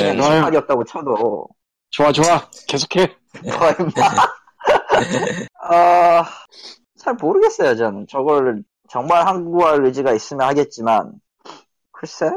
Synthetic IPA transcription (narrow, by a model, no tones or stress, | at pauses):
emaɲiʌt̚t͈aɡot͡ɕʰʌdo | t͡ɕoat͡ɕoake̞sʰo̥kʰe | kʰʌema | a | sʰamoɾɯɡe̞s͈ʌjot͡ɕanɯnt͡ɕʌɡʌɾ | t͡ɕʌŋmaɭhanɡɡuaɭːud͡ʑiɡais͈ɯmjʌnhaɡe̞t̚t͡ɕ͈iman | kʰɯɾʌs͈ej